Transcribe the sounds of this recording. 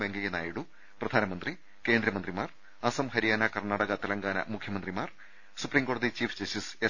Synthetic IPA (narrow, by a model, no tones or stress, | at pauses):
beŋɡɐjenaːjiɽu | prɐd̪ʱaːnɐmɐnd̪ri | ke̞ːnd̪ɾɐmɐnd̪rimaːr | ɐsɐmɦɐɾijaːnakɐrnaːɽɐɣɐt̪ɐlɐŋɡaːnɐ̰mukʰjɐmɐnd̪rimaːr | supriːmɡoːɽɐðit͡ɕiːfd͡ʑɐsise